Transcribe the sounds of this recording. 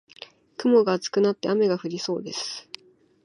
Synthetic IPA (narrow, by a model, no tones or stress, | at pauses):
kɯ̟mo̞ɡaːt͡sɨ̥kɯ̟nat̪ːe̞ame̞ɡaɸɯ̟ɾʲiso̞̰ːd̪e̞sɨ̥